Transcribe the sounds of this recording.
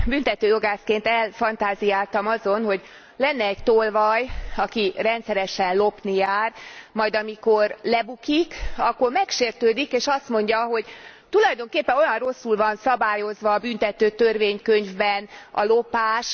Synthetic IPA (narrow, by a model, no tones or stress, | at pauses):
bynt̪ɛt̪øːjo̞ɡaːskeːnt̪ɛlfɒnt̪aːzijaːlt̪ɒmɒzo̞nho̞ɟ | lɛnːɛːɟt̪olvɒjɒkirɛnt̪sɛɾɛʃɛnlo̞pnijaːrmɒjd̪ɒmiko̞rlɛbukikɒkːormɛkʃeːrt̪øːd̪ikeːʃɒst̪mo̞ɲɟɒɦo̞ɟt̪ulɒjd̪o̞ŋkeːpːɛnojɒnro̞sːulvɒnsɒbaːjo̞zʋɒːbynt̪ɛt̪øːt̪ørveːɲkøɲvbɛnɒ̰lo̞paːʃ